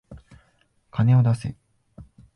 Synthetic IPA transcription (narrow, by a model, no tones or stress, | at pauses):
kʰane̞o̞d̪asɨ